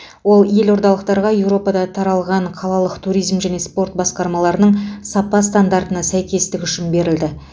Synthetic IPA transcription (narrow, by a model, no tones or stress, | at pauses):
wo̞lˠje̞lo̞ɾd̪ɑlˠəq̚t̪ɑɾʁɑje̞wɾo̞pɑd̪ɑt̪ʰɑɾɑlˠʁɑɴqʰɑlˠɑlˠəqt̪ʰuɾijzmʒæne̞spo̞rt̪̚bɑsqɑɾmɑlˠɑɾənəɴsɑpɑst̪and̪aɾt̪ənɑsæjkʲe̞st̪ɪkʲʏʃɪnbe̞ɾɪld̪ɪ